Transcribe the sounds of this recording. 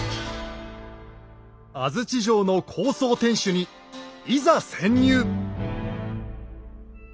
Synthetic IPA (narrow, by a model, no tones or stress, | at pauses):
azɨt͡ɕiʑo̞ːno̞kʰo̞ːso̞ːt̪ẽ̞ɰ̃ɕɨɲ̟i | izasẽ̞ɲ̟ːʲɨː